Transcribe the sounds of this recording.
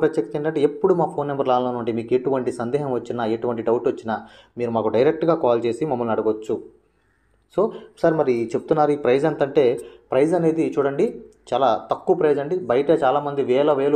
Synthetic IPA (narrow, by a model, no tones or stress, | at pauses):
pɾɐt̪jɐkt̪teɳɖɐɳʈeepːuɽumaːpʰo̞ːnːembɐɾlaːlloːnuɳʈemiːkeʈuʋɐɳʈisɐnd̪ɛːɦɐmʋɐt͡ʃːinaːeʈuʋɐɳʈiɖɐwuʈʋɐt͡ʃːinaː | miːɾumaːkuɖɐjɾek̚ʈɡaːkaːlt͡ʃe̞ːsimɐmːɐlunɐɽuɡʋot͡ʃːu | so̞ːsaːɾimɐɾit͡ʃe̞pu̥t̪unːaːɾuiːpɾɐjd͡ʒent̪ɐɳʈe̞ːpɾɐjd͡ʒɐne̞ːd̪it͡ʃuːɽɐɳɖit͡ʃaːlaːt̪ɐkːuʋɐpɾɐjd͡ʒɐɳɖibɐjɐʈɐt͡ʃaːlaːmɐnd̪iʋɛːlɐʋeːlu